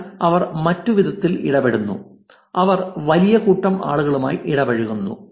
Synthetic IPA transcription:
ɐʋɐrmɐtːuʋid̪ɐt̪ːilḭɽɐbeɽunːṵ | ɐʋɐrʋɐlijɐkuːʈːɐma̰ːɭuɣɐɭuma̰ːjʔiɽɐbɐɻiɣunːṵ

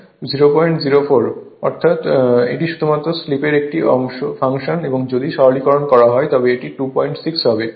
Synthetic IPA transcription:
ziɾopɔjɳʈd͡ʑiɾofoɾɔɾt̪ʰat̪ḛʈiʃud̪ʱumat̪ːɾoslipeɾek̚ʈiʔɔ̰ŋʃofaŋʃoneboŋd͡ʑod̪iʃɔɦolikɔɾonkɔɾaɦɔet̪ɔbeeʈiʈupɔjɳʈsiksɦɔbe

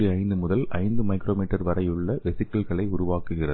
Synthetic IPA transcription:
iɐɪnd̪ɯmʊðɐlɐ̰ɪnd̪ɯmɐɪkɪɾoːmiːʈːɐɾʋɐɾɐjɯɭːɐʋɛsɪkːɐlɣɐɭɐɪʊɾʊʋaːkɯɣɪrɐð

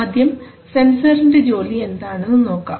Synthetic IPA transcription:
d̪ʱjɐm | se̞nsɐɾinded͡ʑo̞ːlie̞nd̪aːɳɨnːɨno̞ːkːa̰ː

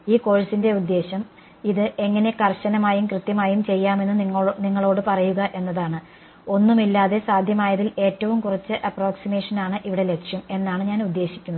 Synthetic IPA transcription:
iːko̞ːɻɐsinde̞ud̪ːe̞ːɕɐm | iðɨʔe̞ŋːɐne̞kɐrɕɐnɐmaːjumkrɨt̪jɐmaːjumt͡ɕe̞jːaːme̞nːɨniŋːɐɭo̞ːɽɨpɐrɐjuɣɐʔe̞nːɐðaːɳɨ | o̞nːumilːaːðe̞saːd̪ʱjɐmaːjɐðile̞ːtːɐʋumkurɐt͡ɕːɨʔɐpro̞ːksimeːʂɐnaːɳɨʔiʋiɽe̞le̞kʂjɐme̞nːaːɳɨɲaːnud̪ːe̞ːɕi̥kʲːunːð

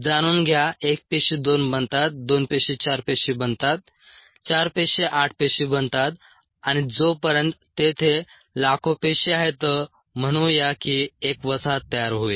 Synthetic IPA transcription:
d͡zaɽ̃uːnɡʱjaek̚peɕid̪onbənt̪at̪̚d̪onpeɕit͡ɕaɾpeɕibənt̪at̪̚ | t͡ɕaɾpeɕeʔaʈ̚ʰpeɕiːbənt̪at̪ | añid͡zopəɾjənt̪t̪ːet̪ʰe | lakʰopeɕiaɦet̪ə | m̤əɽ̃ũjakiekʋəsat̪ːəjaɾɦoi

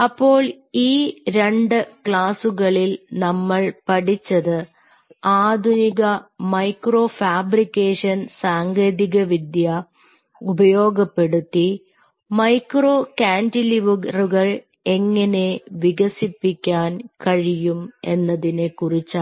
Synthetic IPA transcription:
ɐpːo̞ːɭ | iːɾe̞ɳɖɨkɭaːsuɣɐɭilnɐmːɐɭpɐɽit͡ɕːɐðɨ | aːd̪ʱuniɣɐmɐjkro̞ːfaːbɾikʲːeːʂɐnsaːŋɡeːðiɣɐʋid̪jɐ | ubɐjo̞ːɡɐpːe̞ɽut̪ːi | mɐjkro̞ːkaːndiliʋuɣɐruɣɐɭ | e̞ŋːɐne̞ʋiɣɐsipːikʲːaːnkɐɻijume̞nːɐðine̞kurit͡ɕːaː

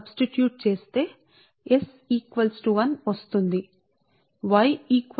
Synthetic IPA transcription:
bsʈiʈjuːʈ̚t͡ʃe̞ːst̪e̞ː | es | iːkʋɐlsʈuʋɐnʋɐst̪und̪i | ʋɐjiːk

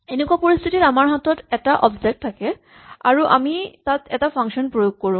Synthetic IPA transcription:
enekwapoɹist̪ʰititamaɹɦatɔtɛtaʔɔbzɛk̚tʰːakɛ | a̰ɹuʔa̰mitatɛtapʰaŋʃɔnpɹojoɡ̚koɹũ

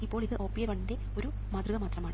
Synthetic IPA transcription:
ipːo̞ːɭiðɨʔo̞ːpːijɐʋɐɳːinde̞ | o̞ɾu | mɐd̪ruɣɐmaːt̪rɐmaːɳ

